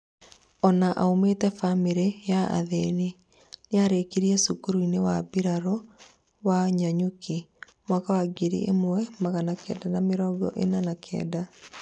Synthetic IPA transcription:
ɔnaʔa̰ometɛfameɾejaa̰ðeni | neaɾekiɾiɛsukuɾuinewabiɾaɾɔ | waɲaɲuki | mwakawaɡeɾḭʔḛmwɛmaɣanakɛ̰ːdanameɾɔːɡɔ̰ʔenanakʰɛ̰ːda

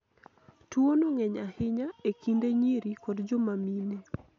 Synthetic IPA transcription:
twonoŋɛɲahɪɲaekindeɲiɾikɔdd͡ʒɔmamine

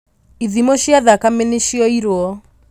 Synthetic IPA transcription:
iðimoʃiaðakameneʃiɔiɾwɔ

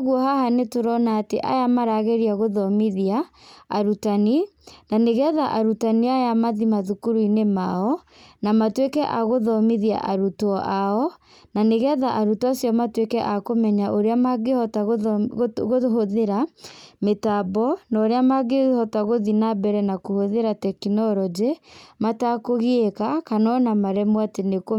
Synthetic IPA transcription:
ɣuɔhahanetoɾɔnaːteʔa̰jamaɾaɣɛɾiaɣoðɔmiðiaːɾutaninaneɣɛðaʔaɾutaniajamaðimaðukuɾuinemaɔ | namatwekɛʔaɣoðɔmiðia̰ʔaɾutɔʔaɔ | naneɣɛðaʔaɾutasjɔmatwekɛʔakomɛɲaʔoɾeamaɡehɔta | ɣoɦoðeɾametabɔnɔɾeamaɡehɔtaɣoðinabɛɾɛnakohoðeɾatɛkinɔɾɔd͡ʒematakoɣeekakanɔnamaɾɛmwateneko

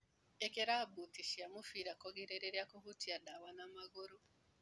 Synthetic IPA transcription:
ekeɾabutiʃiamufiɾakɔɡiɾeɾeɾjakohutiadawanamaɣoɾo

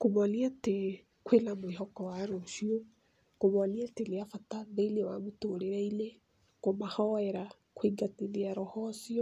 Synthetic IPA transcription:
komaliate | kwelamweɦɔkɔwaɾoʃio | komaliateleafataðeilewamotoɾeɾaile | komahɔɛɾa | kwiɡateleaɾɔhɔsiɔ

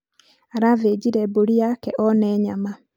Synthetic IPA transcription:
aɾaved͡ʑiɾɛboɾiakɛʔɔnɛɲama

